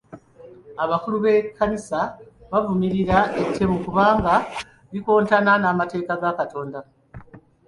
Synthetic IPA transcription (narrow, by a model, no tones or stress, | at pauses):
aβakuluβe̞kʰːanisaβavumiɾiɾaetʰːe̞mukuβaːŋɡa | βiko̞ːntananaːmate̞ːkaɡakato̞ːnda